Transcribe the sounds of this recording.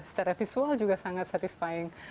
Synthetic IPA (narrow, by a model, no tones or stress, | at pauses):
sə̥t͡ʃaɾafisuald͡ʒuɡasaŋat̪̚sat̪ɪspaɪŋ